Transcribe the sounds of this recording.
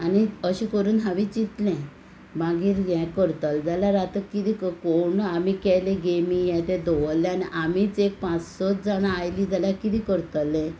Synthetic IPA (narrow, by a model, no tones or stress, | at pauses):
aniəɕĩkəɾuːnɦãʋit͡ɕit̪lɛ̃ | baɡiːɾjɛ̃kəɾt̪əld͡zalaɾat̪əkit̪iːkkoɳamikɛjlẽɡemijɛ̃t̪ɛ̃d̪oʋəl̃ːaniʔam̤it͡sek̚pãt͡ssɔt͡sd͡zaɽaajlid͡zalakit̪iːkəɾt̪əlɛ̃